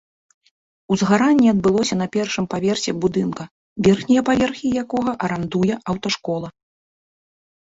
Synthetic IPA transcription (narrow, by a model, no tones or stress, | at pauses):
uzɣaɾanʲːiɐd̪̚bɨlˠɔsʲɐnɐpʲɛrʂɨmpavʲɛrsʲɛbud̪ɨnkɐ | vʲɛrxnʲijɛpavʲɛrxʲijakɔɣɐʔɐɾand̪ujɛʔɐwt̪ɐʂkɔlˠɐ